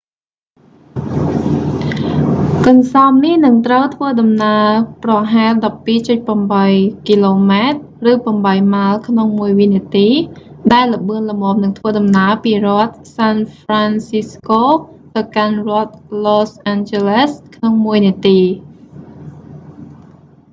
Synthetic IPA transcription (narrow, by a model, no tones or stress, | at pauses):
kɨnsɑɔmnihnɨŋt̪rəwt̪ʰʋəːɗɑmnaəprɑɦaɛlɗɑpːiːt͡ɕɨt̪̚pəmɓəjkiːloːmaɛt̪̚ | rɨːpɑmɓəjmaəlkʰnoŋmuəjʋiniət̪iː | ɗaɛlːə̆ɓɨənlə̆moːmnɨŋt̪ʰʋəːɗɑmnaəpiːrŏət̪̚sanfransiskoː | t̪əwkanrŏət̪̚losʔant͡ɕeleskʰnoŋmuəjniət̪iː